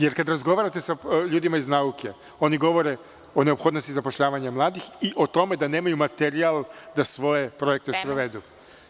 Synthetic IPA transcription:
je̞ɾkad̪ɾazɡo̞ʋaɾat̪e̞saʎuːd̪imaiznauke̞ | o̞niɡo̞ʋo̞ɾe̞ | o̞neo̞pxo̞d̪nost̪izapoʃʎaːʋaɲamlˠaːd̪ixiʔo̞t̪o̞me̞d̪aneːmajumat̪eɾialˠd̪asʋo̞je̞pɾo̞je̞k̚t̪espɾoʋe̞d̪u

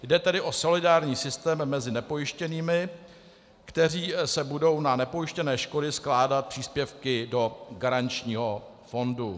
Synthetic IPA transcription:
jdɛt̪ɛdɪʔo̞so̞lɪdaːɾɲiːsɪst̪ɛːmːɛzɪnɛpo̞jɪʃcɛniːmɪ | kt̪ɛriːsɛbudo̞wnanɛpo̞jɪʃcɛnɛːʃkodɪsklaːdat̪̚pr̥iːspjɛfkɪdo̞ɡaɾant͡ʃɲiːɦo̞ | fo̞ndu

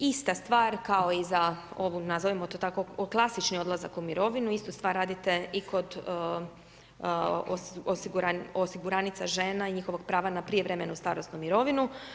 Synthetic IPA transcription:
ist̪ast̪ʋaːɾkao̞izaoʋunazoʋimot̪ot̪akoklˠasit͡ʃnio̞d̪lˠaza̰kumiɾo̞ʋinuist̪ust̪ʋaːɾːaːd̪it̪e̞iko̞d̪ | ososiɡuɾaosiɡuɾanit̪saʒeːnaiɲixo̞ʋoɡ̚pɾaːʋanapɾijeʋɾemenust̪a̰ːɾosnumiɾo̞ʋinu

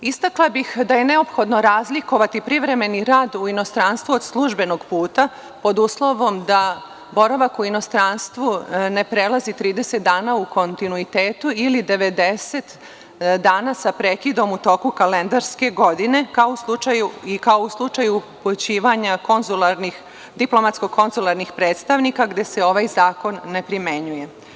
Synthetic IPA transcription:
ist̪aklˠabixd̪aje̞ne̞o̞pxo̞d̪no̞ɾaːzliko̞ʋat̪ipɾiʋɾe̞me̞niɾaːd̪uino̞st̪ɾanst̪ʋuod̪slˠuʒbe̞no̞ɡpuːt̪a | po̞d̪uslˠo̞ʋo̞md̪a | bo̞ɾaʋakuino̞st̪ɾanst̪ʋune̞pɾe̞lˠazit̪ɾiːd̪e̞se̞t̪̚d̪aːnauko̞nt̪inuit̪eːt̪uilid̪e̞ʋe̞d̪e̞set̪ | d̪aːnasapɾekid̪o̞mut̪o̞ːkukalend̪aɾske̞ɡo̞d̪ine̞kaouslˠut͡ʃajuikaouslˠut͡ʂajuput͡ɕiːʋaɲakonzulˠaɾni | d̪iplˠo̞mat̪sko̞kʰo̞nzulˠaɾnixpɾeːt̪st̪aʋnikaɡd̪e̞seo̞ʋaːjzaːko̞nːe̞pɾime̞ɲuje̞

